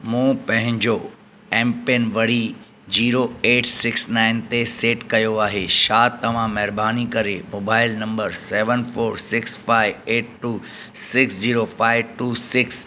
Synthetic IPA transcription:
mũːpɐ̃ɦɪ̃ɲd͡ʑo | ɛ̃ːmpenʋɐɽ̤i | d͡ʑiːɾoeːʈsɪksnaːɪnt̪eseːʈkɐjoaːɦeʃaːt̪ɐʋ̤ãmɛɦɾbaːnikɐɾemoːbaːɪlnɐ̃mbəɾsɛːʋənfʰoːɾsɪksfaːɪʋeːʈːuː | sɪksd͡ʑiːɾofaːɪʋʈuːsɪks

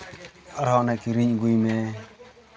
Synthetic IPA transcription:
ɔɾɔnɛkiɾiɲɡujmɛ

